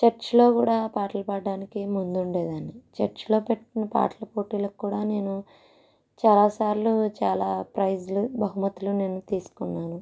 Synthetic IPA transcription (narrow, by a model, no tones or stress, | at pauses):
t͡ʃɐɾt͡ʃlo̞ːkuːɽaːpaːʈɐlɐpɐɖːaːnikimund̪uɳɖe̞ːd̪aːnit͡ʃɐɾt͡ʃlo̞ːpeʈʈːinɐpa̰ːʈɐlɐpo̞ːʈiːlɐkkːuːɽaːne̞ːnu | t͡ʃaːlaːsaːɾlut͡ʃaːlaːpɾɐjd͡ʒlubɐɦumɐt̪ːulune̞ːnːut̪iːsu̥kunːaːnu